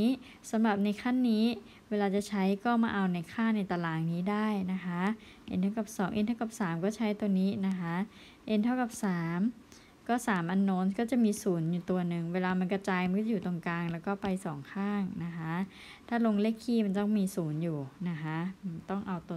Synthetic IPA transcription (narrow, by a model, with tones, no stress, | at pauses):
iː˦˥ | sa˩˦mɾa˨˩p̚na˧jkʰa˥˩nːiː˦˥ | weː˧laː˧t͡ɕa˨˩t͡ɕʰa˦˥jkɔː˥˩ma̰ː˧ʔa˧wna˧jkʰaː˥˩ŋna˧jt̪aː˧laː˧˩ŋniː˦˥daː˥˩jna˦˥kʰa˦˥ | hḛ˨˧˦nt̪ʰa˥˩ka˨˩p̚sɔː˩˦ŋʔḛ˧nt̪ʰa˥˩ka˨˩p̚saː˨˩˦mkɔː˥˩t͡ɕʰa˦˥jt̪o˧ŋniː˦˥na˦˥kʰa˦˥ | ʔe˧nt̪ʰa˥˩wka˨˩p̚saː˩˦m | kɔː˥˩saː˩˦mʔa˧nːoː˦˥nkɔː˥˩t͡ɕa˨˩ʔmiː˧suː˩˦njuː˨˩t̪u˧ɐnɯ˨˩ŋweː˧laː˧ma˧nkɔː˥˩t͡ɕaː˧jma˧nkɔ˥˩a˨˩juː˨˩t̪o˧ŋkaː˧ŋlɛː˦˥wkɔː˥˩pa˧jsɔ̰ː˩˦ŋkʰaː˥˩ŋna˦˥kʰa˦˥ | t̪ʰaː˥˩lo˧ŋleː˥˩kʰːiː˥˩ma˧nt̪ɔ˥˩ŋmiː˧suː˩˦njuː˨˩na˦˥kʰa˦˥˧t̪ɔ˥˩ŋʔa˧wt̪